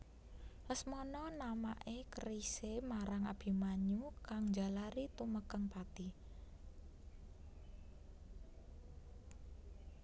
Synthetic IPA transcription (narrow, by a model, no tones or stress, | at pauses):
ləsmɔnɔnama̰ʔekəɾisemaɾaŋa̰b̥i̤maɲukaŋd͡ʒa̤laɾit̪uməkəŋpat̪i